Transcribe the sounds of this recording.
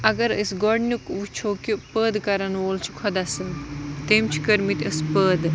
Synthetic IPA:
ɐɡɐɾəsɡɔɽnʲukʋut͡ʃʰoːkipəːd̪kɐɾɐnʋoːlt͡ʃʰi̥kʰɔd̪asɨnt̪emt͡ʃʰi̥kɐɾmit̪ʲəspəːd̪

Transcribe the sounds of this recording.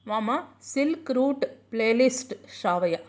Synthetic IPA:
ʋaːmasɪlkɾuːʈpleːlɪsʈʃaːʋɐja

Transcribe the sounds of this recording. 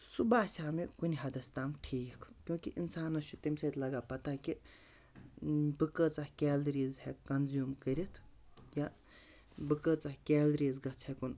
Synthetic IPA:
subaːsʲaːmikuniɦɐd̪ɐst̪aːmʈʰiːjikʰkʲjũːkiʔinsaːnɐt͡ʃʰut̪imsɐt̪lɐɡaːpɐt̪aːki | bɨkət͡sakʲeːlɐɾiːzhekɐnzuːmkɐɾʲit̪ʰja | bɨkət͡saːkeːlɾiːzɡɐt͡sʰhekun

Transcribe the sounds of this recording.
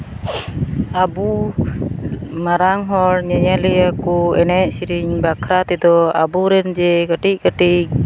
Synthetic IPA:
abu | maɾaŋɦɔɾɲaɲaliakuɛnɛʔsiɾiɲbakɾat̪ɛd̪ɔa̰buɾɛnd͡ʒɛkəʈiʔ̚kəʈiʔ̚

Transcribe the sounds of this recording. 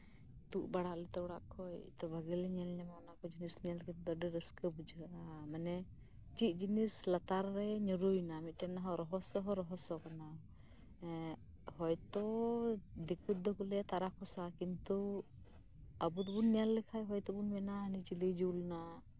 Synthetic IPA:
t̪uʔbaɽaʔlɛt̪ɛuɽaʔkʰɔjt̪ɔbʱaɡilɛɲɛlɲamaɔnakɔd͡ʒinisnijalkʰat̪ɛd̪ɔɖɛɾəskəbud͡ʒɡaʔamanɛ | t͡ʃit̪̚ˀd͡ʒinislat̪aɾːɛɲɔɾujnamit̪̚ˀʈɛnaɦɔɾɔɦɔsɔɦɔɾɔɦɔsɔkana | hɔjt̪ɔ | d̪ikʰut̪̚d̪ɔkulɛt̪aɾakʰɔsakint̪u | abut̪ɔbunːijalːɛkʰajɦɔjt̪ɔbunmɛnanit͡ʃilid͡ʒulna

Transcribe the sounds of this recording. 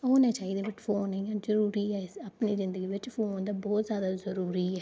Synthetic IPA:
oːnɛ̃ːt͡ʃaːiːd̪eːʋɪt͡ʃfʰoːnĩãːzəɾuːɾiːɛːɪəpniːzɪ̃nd̪əɡiːʋɪt͡ʃfʰoːnd̪aːbɔːt̪zjaːd̪aːzəɾuːɾiːɛː

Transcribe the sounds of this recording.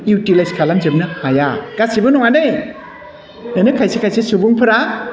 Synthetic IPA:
jutilajskʰalamzebnɯhajaɡ̥asibɯnɔŋanɯj | enɯkʰajsekʰajsesubuŋpʰɯɾa

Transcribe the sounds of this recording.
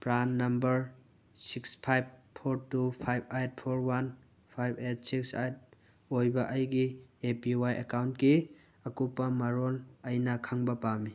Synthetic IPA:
pɾanːɐmbɐɾ | sikspʰajb̚pʰoɾtupʰajb̚ajt̚pʰoɾwan | pʰajbet̚siksajt̚ | ojbɐʔɐjɡiepiwajekawntki | ɐkupːɐmɐɾolɐjnɐkʰaŋbɐpami

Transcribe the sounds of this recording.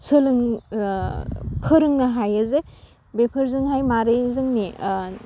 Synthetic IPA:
sʰɯlɯŋ | kʰɯɾɯŋnɐɦajɯze | bepʰɯɾzɯŋɦajmaɾɯjzɯŋni

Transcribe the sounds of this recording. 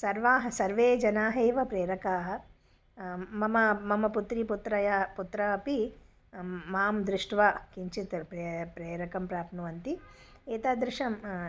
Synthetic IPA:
sɐɾʋaːɦɐsɐɾʋeːd͡ʒɐnaːɦeːʋɐpɾeːɾɐkaːɦɐ̆ | mɐmɐmɐmɐput̪ɾiput̪ɾɐjɐput̪ɾɐɐpi | maːmd̪ɾɪʂʈʋaːkiɲt͡ʃit̪pɾepɾeːɾɐkɐmpɾaːpnɐʋɐnt̪i | eːt̪aːd̪ɾɪʂɐm

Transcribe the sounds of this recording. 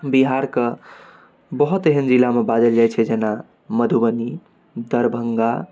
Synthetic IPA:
biɦaɾkə | bəɦut̪eɦənd͡ʒilamebad͡ʒəld͡ʒajt͡ʃʰɛd͡ʒena | məd̪ʱubəni | d̪əɾbʱəŋɡa

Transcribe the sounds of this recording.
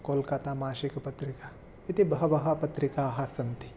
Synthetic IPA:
koːlkat̪aːmaːʃikpɐt̪ɾɪkaː | it̪ibɐɦɐbɐɦapɐt̪ɾɪkaːɦaːsɐnt̪i

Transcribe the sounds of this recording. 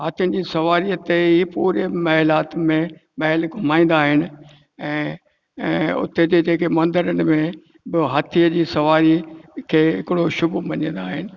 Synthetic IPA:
ɦat̪ʰijənɪd͡ʑiːsɐʋaːɾiʊt̪eɦipuːɾemɐɦlaːt̪mẽmɐɦɪlɡʱʊmaːĩːnd̪aːɦɪnɪ̆ | ɛ̃ː | ʊ̰t̪ed͡ʑed͡ʑeːkemɐ̃nd̪əɾənɪ̆mẽ | bɪɦat̪ʰiəd͡ʑiːsɐʋaːɾikʰeːɦɪkɪɽoʃʊbumɐɲə̃n̆d̪aːɦɪnɪ̆

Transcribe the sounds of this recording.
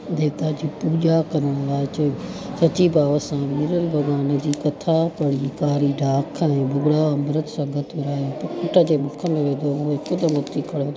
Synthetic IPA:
d̪eːt̪ad͡ʑiːpuːd͡ʑakɐɾəɽ̃laːɪt͡ɕɐsɐt͡ɕibaːʋəsãmɪɾəlbʱɐɡaːnə̆d͡ʑiːkɐt̪ʰapɐɽikaːɾiɖʱaːkʰɛ̃ːbʊɡɽaɐmɾət̪sɐ̃ɡət̪ʊɾaːepkʊʈəd͡ʑeːmʊkʰəmẽʋẽːd̪ooekʊd̪əmʊt̪ikʰɐɽo

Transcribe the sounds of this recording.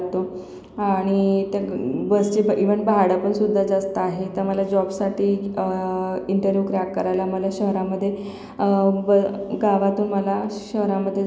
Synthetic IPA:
t̪o | aɽ̃it̪jabəst͡ɕibiʋəɳbaɽəpəɳsud̪ʱːad͡zast̪aaɦet̪əɾməlad͡ʑɔbsaʈiː | iɳʈəɾʋjuːkɾakkːəɾajlaməlaɕəɦɾaməd̪ʱːje | bɡaʋat̪uːnməlaɕəɦɾaməd̪ʱːje

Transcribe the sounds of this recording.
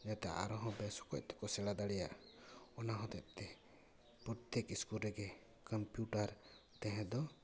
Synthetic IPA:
d͡ʒat̪ɛʔa̰ɾɔɦɔ̃bɛsɔ̥kɔc̚ˀt̪ʰɔ̥kɔsɛɽad̪aɽɛja̰ʔɔnaɦɔ̃t̪ɛt̪̚ˀt̪ɛ | pɾɔɾt̪ekiskulɾɛɡɛ | kəmpjuʈaɾ | t̪ɛ̃ɦɛ̃d̪ɔ

